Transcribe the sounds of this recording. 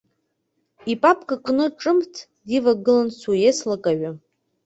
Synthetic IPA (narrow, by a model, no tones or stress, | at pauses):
ipʼapʰʼkʼakʼnɨʈ͡ʂʼɨmtʰ | divaɡɨlansujeslakʼaɥa